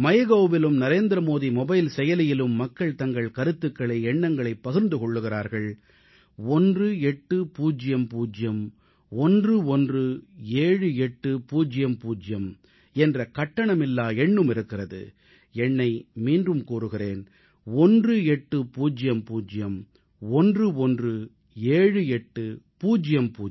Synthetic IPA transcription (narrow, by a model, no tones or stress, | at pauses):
mɐjɐɣɐːbɪlɯmnɐɾeːnd̪ɾɐmoːðimɔbɐɪlsɛjɐlɪjɪlɯmːɐkːɐɭt̪ɐŋɡɐɭkɐɾɯt̪ːɯkːɐɭɐɪɛɳːɐŋɡɐɭɐɪpːɐɣɯɾnd̪ɯkɔɭːɯɣɪɾaːɾɣɐɭ | ɔndrɯɛʈːɯpuːd͡ʒɪjɐmpuːd͡ʒɪjɐm | ɔndrɯɔndrɯeːɻɯɛʈːɯpuːd͡ʒɪjɐmpuːd͡ʒɪjɐm | ɛndrɐkɐʈːɐɳɐmɪlːaːɛɳːɯmɪɾɯkːɪrɐðɯ̰ | ɛɳːɐɪmiːndrɯmkuːɾɯɣɪreːn | ɔndrɯɛʈːɯpuːd͡ʒɪjɐmpuːd͡ʒɪjɐm | ɔndrɯɔndrɯ | eːɻɯɛʈːɯpuːd͡ʒɪjɐmpuː